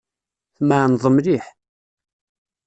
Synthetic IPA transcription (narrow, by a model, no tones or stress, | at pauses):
θmaʕnðˤəmɾiħ